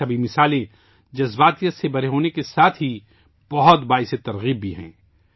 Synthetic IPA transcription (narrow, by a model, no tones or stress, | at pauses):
ɐbʱimɪsaːlẽ | d͡ʒɐzbaːt̪ijət̪sebɐɾeɦoːnekesaːt̪ʰɦi | b̥ɐɦʊt̪baːɪset̪ɐɾɣiːbːʱiɦɛ̰̃ː